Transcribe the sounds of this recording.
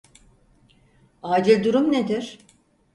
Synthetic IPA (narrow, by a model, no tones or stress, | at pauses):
aːd͡ʒilʲd̪uɾumned̪iɾ̥